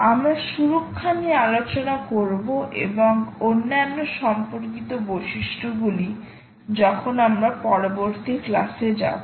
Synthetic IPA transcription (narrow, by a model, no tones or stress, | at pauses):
amɾaʃuɾokʰːaniealot͡ɕonakoɾboʔḛboŋonːanːoʃɔmpoɾkit̪oboʃiʃʈʰoɡuli | d͡ʑɔkʰonamɾapɔɾoboɾt̪iklased͡ʑa̰bo